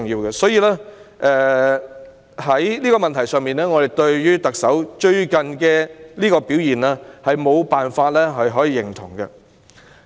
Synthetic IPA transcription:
ʊ˨ŋjiː˧wɡɛ˧sɔː˨˥jiː˧laː˥ʔɛ˧ | hɐ˨˥jliː˥kɔː˧mɐ˨nt̪ʰɐ˨˩jsœː˨ŋmiː˨nɛː˥ŋɔː˨˧d̪e˨jt̪ɵ˧ɥjyː˥t̪ɐ˨k̚sɐ˨˥wt͡ʃɵ˧ɥkɐ˨˩nkɛː˧liː˥kɔː˧piː˨˥wjiː˨˩naː˥hɐ˨jmo˨˧wpaː˨nfaː˧t̚lɛː˥ɦɐ˨jɦɔː˨˥jiː˧jɪ˨˩ŋt̪ʰʊ̰˨˩ŋkɛ̰˧

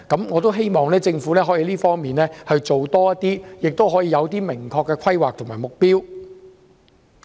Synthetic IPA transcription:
kɐ˨˥mŋɔː˨˧t̪̬o˥wɦe˥jmɔː˨ŋlɛː˥t͡sɪ˧ŋfuː˨˥lɛː˥ɦɔ˨˥ji˨˧liː˥fɔː˥ŋmiː˨nlɛː˥hɵ˧ɥt͡ʃo˨wt̪ɔː˥jɐ˥t̪ːiː˥jɪ˨k̚t̪o˥wɦɔː˨˥jiː˨˧jɐ˨˧wt̪̬iː˥mɪ˨˩ŋkʰɔː˧kːɛː˧kʷʰɐ˥jwaː˨k̚t̪ʰʊ˨˩ŋmaː˨˩mʊ˨k̚piː˥w

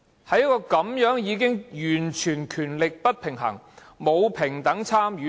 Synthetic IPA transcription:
hɐ˨˧jɐ˥kɔː˧kɐ˨˥mjœː˨˥ŋjiː˨˧kɪ˥ŋjyː˨˩nt͡ʃʰyː˨˩nkʰyː˨˩nlɪ˨k̚pɐ˥t̚pʰɪ˨˩ŋɦɐ̰˨˩ŋ | mo˨˧wpʰɪ˨˩ŋt̪ɐ˨˥ŋt͡sʰaː˥mjyː˨˦

